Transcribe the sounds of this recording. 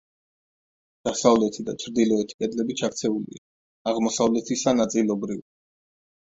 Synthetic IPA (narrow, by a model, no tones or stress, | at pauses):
d̪̥asavlɛt̪ʰid̪at͡ʃʰɾd̪ilˠɔɛt̪ʰi̥kʼɛd̪lɛbit͡ʃʰakt̪sʰɛulḭa | aʁmɔsavlɛt̪ʰisanat̪sʼilˠɔbɾivi